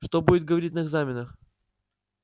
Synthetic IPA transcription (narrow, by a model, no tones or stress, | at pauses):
ʂt̪obudʲɪt̪̚ɡəvɐɾʲit̬̚ʲnəɨɡzamʲɪnəx